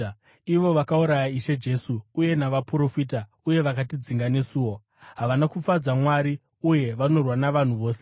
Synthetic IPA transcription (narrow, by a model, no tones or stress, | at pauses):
iʋo̞ʋakauɾajaiʃe̞d͡ʒe̞suːje̞naʋapuɾo̞fit̬a | uje̞ʋakatid͡ziŋɡane̞suːwo̞ | ɦaʋanakufad͡zamwaɾi | uje̞ʋano̞rwanaʋan̤uʋo̞ːse